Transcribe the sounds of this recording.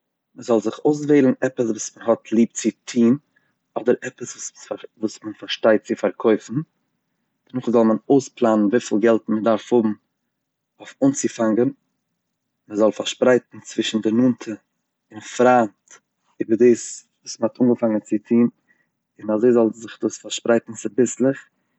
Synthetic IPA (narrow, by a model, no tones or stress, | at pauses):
məzɔlˠzɪχoʊs̬veɪlˠn̩ɛpəsvuːsmənɦɔtʰlˠiːp̚t͡sɪtʰiːn | ɔdəɾɛpəsvuvuːsmənfaɾʃtaɪt̚t͡sɪfaɾkʰɔɪfn̩ | d̥ənʊχzɔlˠmənoʊsplˠaːnən̩viːfɪlˠɡɛlˠtmədaɾfhʊbm̩ | oʊfʊnt͡sɪfaŋɡən | məzɔlˠfaɾʃpɾaɪtn̩t͡svɪʃn̩dɪnuːntʰə | ɪnfɾaːnt | iːbəɾdiːsvuːsməhɔtuŋɡəfaŋənt͡sɪtʰiːn | ɪnazoɪzɔlˠzɪχduːsfaɾʃpɾaɪtn̩t͡sɪbɪslˠɪχ